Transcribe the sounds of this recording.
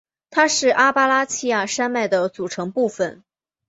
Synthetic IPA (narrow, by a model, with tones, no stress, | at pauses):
t̪ʰa˥ʂɻ̩˥˩ʔa˥pa˥la˥t͡ɕʰi˥ja˥˩ʂa˥nma˥˩ɪd̪ə˩t͡su˨˩ʈ͡ʂʰɤ˧˥ŋpu˥˩fə˨˩n